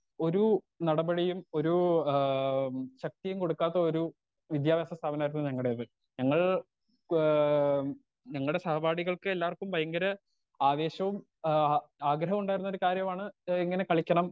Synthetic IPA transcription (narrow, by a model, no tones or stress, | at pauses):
o̞ɾu | nɐɽɐbɐɽijumo̞ɾu | ɕɐk̚t̪ijumko̞ɽukːaːt̪ːɐoɾu | ʋid̪jaːʋjaːsɐst̪ʰaːbɐnaːjɾunːuɲɐŋːɐɽejɐðɨ | ɲɐŋːɐɭ | ɲɐŋːɐɭuɽe̞sɐɦɐbʱaːɽiɣɐɭkɨelːaːʋɐrkːumbɐjɐŋɡɐɾɐ | aːʋe̞ːɕɐʋum | aːɡɾɐɦɐmuɳɖaːjiɾunːoɾukaːɾjɐmaːɳɨiŋːɐne̞kɐɭikʲːɐɳɐm